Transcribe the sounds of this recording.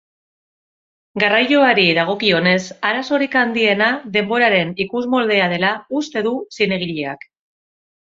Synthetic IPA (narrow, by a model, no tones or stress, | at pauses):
ɡarajo̞aɾiðaɣ̞o̞kio̞ne̞saɾaso̞ɾikand̪ie̞naðe̞mbo̞ɾaɾe̞nikuzmo̞ld̪e̞að̞e̞laust̪e̞ðusine̞ɣ̞iʎeak